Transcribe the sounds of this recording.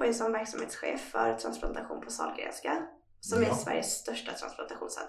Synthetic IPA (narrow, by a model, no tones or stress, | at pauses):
ɔjəsɔmvæɾksamheːt̪sɧeːfːœɾt̪ʰɾansplant̪aɧuːnpʰɔsɑ̰ːlɡɾḛːnska | sɔmæsvæ̰ɾjəsːt̪œʂʈat̪ʰɾansplant̪aɧuːnsɛ̰